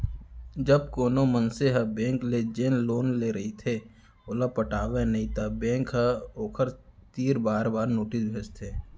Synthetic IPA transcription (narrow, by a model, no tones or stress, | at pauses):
d͡ʒəb̚koːnomənseɦəbẽːŋkled͡ʒeːnloːnleːɾəɦit̪ʰe | oːlapəʈaːʋenɐɦĩt̪ʰabẽːŋkɦəoːkʰəɾt̪iːɾbaːɾbaːɾnoːʈɪsbʱeːt͡ʃt̪ʰeː